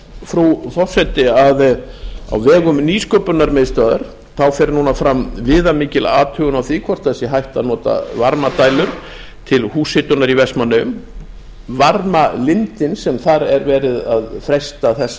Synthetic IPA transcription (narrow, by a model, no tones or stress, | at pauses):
fɾuθɔr̥sɛt̪ɪaða̰wvɛːɣʏmniːskœpʏnːaɾmɪðst̪œːðaɾ̥ | θawfɛːɾnuːnafɾamvɪːðamiːcɪla̰ːt̪ʰœːɣʏnawθɪːkʰvɔr̥t̪aɛsɛɦajht̪aðnɔːt̪a̰vaɾmat̪aːjlʏɾ̥ | t̪ʰɪlhuːsɪt̪ʏnaɾivɛsmanːʏʏm | vaɾmalɪnt̪ɪnsɛmθaɾɛɾvɛːɾɪðaðfɾɛjst̪aθɛsːa